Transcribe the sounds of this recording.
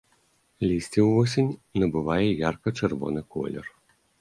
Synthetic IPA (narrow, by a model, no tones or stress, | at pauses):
lʲisʲtʲiwɔsʲinʲnɐbʊʋɑjɛjarkɐt͡ʃɛrʋɔ̰nɪkɔ̰lʲɔ̰r